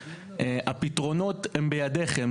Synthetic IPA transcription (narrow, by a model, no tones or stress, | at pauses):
eʔapit̪ʁo̞no̞t̪hembejad̪e̞χem